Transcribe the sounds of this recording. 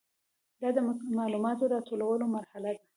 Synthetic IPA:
d̪ɑd̪əmɑlumɑt̪oɾɑt̪olawəlomaɾhalad̪a

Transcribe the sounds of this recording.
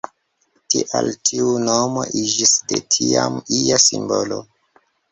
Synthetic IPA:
tiʔaltʰiunomo̰ʔid͡ʒisde̞tʰiamijasimbolo

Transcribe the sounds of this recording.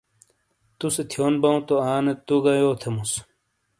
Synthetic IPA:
t̪uset̪ʰjoːnbɐũt̪oaːnet̪ːuɡɐjoːt̪ʰemus

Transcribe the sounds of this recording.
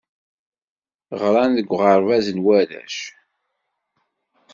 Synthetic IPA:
ʁɾˤɑnðəɡʷːʁəɾˤvæzənwæɾæ̰ʃ

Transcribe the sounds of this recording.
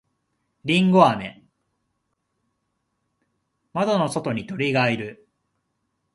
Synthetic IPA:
ɾʲĩŋɡo̞ame̞̰ | mad̪o̞no̞so̞t̪o̞ɲ̟it̪o̞ɾʲiɡaiɾɯ̟

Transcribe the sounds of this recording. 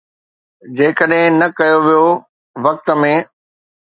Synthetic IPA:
d͡ʑeːkəɗɦɪ̃nɐkɐjoʋijo | ʋɐk̚t̪ə̆mẽː

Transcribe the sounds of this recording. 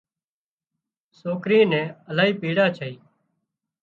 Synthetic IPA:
soːkɾiːnɛ̃ːəlaːɦiːpiːɽaːt͡ʃʰəiː

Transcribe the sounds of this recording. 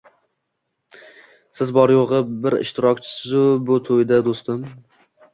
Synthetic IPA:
sɪzbɒɾjoʁɨbɪɾɪ̰ʃt̪ɪɾɒk̚ʲt͡ʃʰɪ̥sɪzʊbʊt̪ʰojd̪ad̪ost̪ɪm

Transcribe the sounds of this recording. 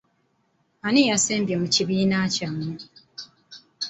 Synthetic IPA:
anijaseːmbjemuciβiːnacamːu

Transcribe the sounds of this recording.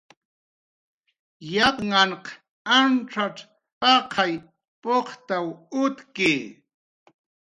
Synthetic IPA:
japŋɑɴq | anʈ͡ʂaʈ͡ʂ | pɑqʰɑj | poqt̪awʊt̪kɪː

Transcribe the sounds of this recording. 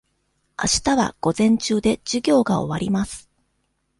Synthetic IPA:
a̰ɕi̥t̪aβa̰ɡ̥o̞zẽ̞ɲ̟t͡ɕɨːd̪e̞d͡ʑɨɡʲo̞ːɡao̞̰βaɾʲimasɨ̥

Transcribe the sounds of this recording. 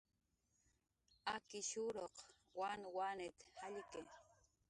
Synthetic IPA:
akɪʃuɾoq | wanwanet̪haʎike

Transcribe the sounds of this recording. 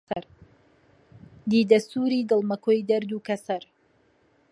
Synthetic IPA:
ɐɾ | d̪iːd̪ɐst̪uːɾiːd̪ɨlˠmɐkʰojd̪ɛɾd̪uːkɐsɐɾ

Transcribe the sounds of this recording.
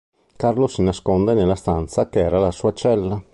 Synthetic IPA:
karlosinaskond̪enelːast̪ant̪sakeɛːɾalasuːat͡ʃɛlːa

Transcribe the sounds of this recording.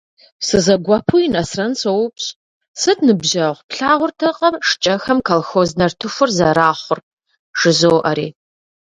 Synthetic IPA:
sɨzɐɡʷɐpʰuinɐsrɐnsowpɕʼ | sɨtʰnɨbʒɐʁʷpɬaːʁʷʊrtʰɐqʼɐrʂt͡ʃʼɐxɐmkʰɐlxoːznɐrtʰɨfʷʊrzɐɾaːχʷʊr | ʂɨzoːʔɐɾiː

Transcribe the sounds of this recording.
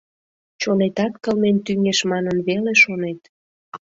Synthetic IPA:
t͡ɕonet̪ɑt̪kəlment̪yŋeʃmɑnənβeleʃonet̪

